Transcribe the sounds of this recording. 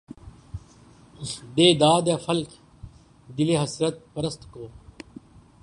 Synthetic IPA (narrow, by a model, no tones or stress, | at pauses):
d̪eːd̪aːd̪jaːfɐlkʰ | d̪ɪleːɦɐsɾət̪̚pəɾəst̪koː